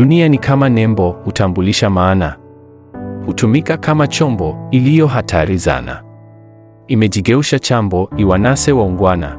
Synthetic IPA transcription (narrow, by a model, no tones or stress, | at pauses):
unianikʰamanɛmbɔhutambuliʃamaːna | hutumikakʰamat͡ʃɔmbɔilijɔɦatʰaɾiza̰na̰ | imɛd͡ʒiɡɛuʃat͡ʃambɔiwanasɛwauŋɡwana̰